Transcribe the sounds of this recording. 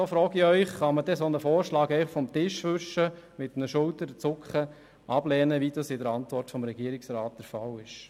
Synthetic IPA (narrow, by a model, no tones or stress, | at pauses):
sofɾɔːɡɪœʏχχɑmədɛsonəfoːɾʃlɑːɡɛɪχfɔmtɪʃʋʏʃə | mɪt̪nəʃʊltəɾət͡sʊkχə | ʔɑblɛːnəʋidɑsɪdəɾɑntʋɔrtfɔmɾɛɡ̥iəɾɪksɾaːt̚d̥əɾfɑlɪʃ